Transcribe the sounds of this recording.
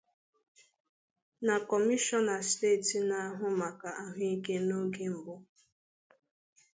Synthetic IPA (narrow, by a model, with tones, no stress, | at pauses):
na˨kɔ˨mi˦ʃɔ˦na˨ste˦˨ti˨na˨a˦ɦʊ˦ma˨ka˨ʔa˦ɦʊ˦i˦ke˦no˦ɡe˦m̩˨bʊ˦